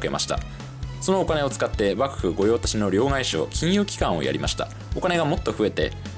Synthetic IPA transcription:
ke̞̰ma̰ɕi̥t̪a̰ | so̞no̞ːkane̞o̞t͡sɨ̥kat̪ːe̞bakɯ̟̥hɯ̟ɡo̞jo̞ːt̪ḁɕino̞ɾʲo̞ːɡaiɕo̞̰ːkʲĩɰ̃jɯ̟ːkʲi̥kãɰ̃o̞̰jʔa̰ɾʲimaɕi̥t̪a̰ | o̞kane̞ɡamo̞t̪ːo̞ɸɯ̟e̞t̪e̞̰

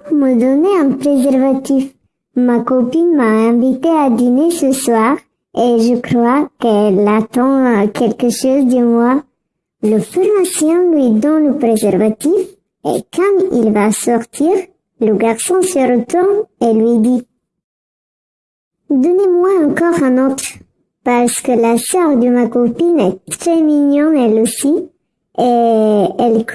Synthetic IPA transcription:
məd̪ɔneɛ̃pʁezɛʁvat̪if | makɔpinmaɛ̃vit̪ead̪inesəswaʁ | eʒəkʁwakɛlat̪ɑ̃kʰɛlkəʃozd̪əmwa | ləfɛʁãsjɛ̃lɥid̪ɔ̃ləpʁezɛʁvat̪if | ḛkɑ̃mḭlvasɔʁt̪ʰiʁ | ləɡaʁsɔ̃səʁət̪uʁnelɥid̪i | d̪ɔnemwaɑ̃kɔʁɛ̃nɔt̪ʁ | paʁsə̥kəlasœʁd̪əmakopinɛt̪χɛminjɔnɛlosi | e | ɛlk

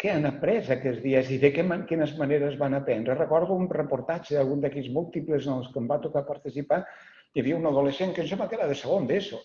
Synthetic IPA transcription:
keanapɾɛzakɛzðiəziðəkɛmakinəzmaneɾəzβanapɛnd̪ɾərəkɔɾðuunrəpuɾt̪at͡ʃəalˠɣund̪ɛkizmulˠt̪ipləzənəlˠskəmbat̪ukapəɾt̪isipa | jaβiəunaðuleʃeŋkənsemləkeɾəðəsəɣond̪eso

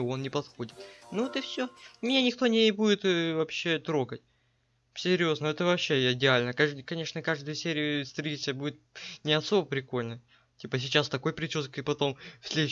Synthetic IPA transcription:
o̞nnʲɪpɐt̪xo̞dʲɪt̪nuot̪ɨfsʲomʲɪnʲanʲɪkt̪o̞nʲɪbudʲɪt̪vɐpɕːe̞t̪ɾo̞ɡət̚ʲ | sʲɪɾʲjo̞znəɛt̪əvɐpɕːe̞ɪdʲɪalʲnəkaʐkɐnʲe̞ʂnəkaʐd̪ɨjəsʲeɾʲɪʊst̪ɾʲlʲit̪sɨjəbudʲɪt̪̚nʲɪɐso̞bəpɾʲɪko̞lʲnə | tʲipəsʲɪt͡ɕast̪ɐko̞jpɾʲɪt͡ɕʲuskɨpɐt̪o̞mfsʲlʲe

